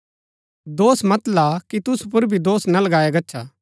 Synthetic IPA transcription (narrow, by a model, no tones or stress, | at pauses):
d̪oːsmɐt̪lakit̪ʊspʊɾbʱid̪oːsnɐlɐɡaːjaɡɐtːʃʰaː